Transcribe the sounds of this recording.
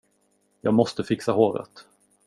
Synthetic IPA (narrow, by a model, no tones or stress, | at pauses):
jɑːɡmɔst̪əfɪksahoːɾə̰t̪